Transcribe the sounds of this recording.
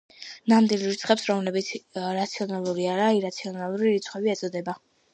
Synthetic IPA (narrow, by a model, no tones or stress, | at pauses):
namd̪ilˠɾit̪sʰχʼɛpsɾɔmlɛbit̪sʰɾat̪sʰiɔnalˠuɾiaɾaiɾat̪sʰiɔnalˠuɾiɾit̪sʰχwɛbiɛsʼɔd̪ɛba